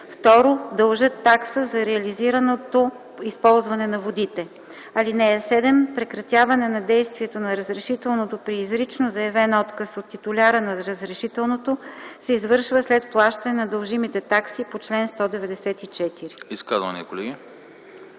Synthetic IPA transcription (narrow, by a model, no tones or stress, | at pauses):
ft̪ɔɾod̪ɐlˠʒɤt̪ːaksəzɐɾɛɐliziɾənot̪o | ispɔlˠzvɐnɛnɐvod̪it̪ɛ | ɐlinɛɛsɛd̪ɛmpɾɛkɾɐt̪ʲjavɐnɛnɐd̪ɛjst̪viɛt̪onɐɾəzɾɛʃit̪ɛlˠnot̪opɾiːzɾit͡ʃnozɐjɐvɛnɔt̪kəsot̪ːit̪ʊlʲaɾənɐɾəzɾɛʃit̪ɛlˠnot̪osɛizvɤɾʃvəslɛt̪̚plˠaʃt̪ənɛnɐd̪ɐlˠʒimit̪ɛt̪aksipot͡ʃlɛnst̪ɔd̪ɛvɛd̪ɛsɛt̪it͡ʃɛt̪iɾiiskazvɐ̰nikolɛɡʲi